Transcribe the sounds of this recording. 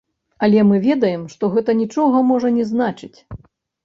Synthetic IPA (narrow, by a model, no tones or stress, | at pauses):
ɐlʲɛmɨvʲɛd̪ɐjɛmʂt̪ɔɣɛt̪ɐnʲit͡ʂɔɣɐmɔʐɐnʲɛznat͡ʂɨt͡sʲ